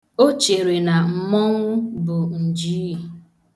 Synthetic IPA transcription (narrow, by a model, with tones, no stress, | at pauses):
o˦t͡ʃe˨ɾe˨na˨m̩˨mɔ˦ŋʊ˦bʊ˨n̩˨d͡ʒi˦˨